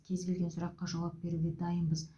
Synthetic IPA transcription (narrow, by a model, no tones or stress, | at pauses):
kʲʰe̞zbʲelʲɡʲensʊɾɑqːɑʒɑwɑp̚be̞ɾuɡʲed̪ɑjənbəz